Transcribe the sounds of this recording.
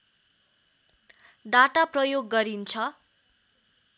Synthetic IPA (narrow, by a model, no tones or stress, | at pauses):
ɖaʈaprʌjoɡːʌɾint͡sʰʌ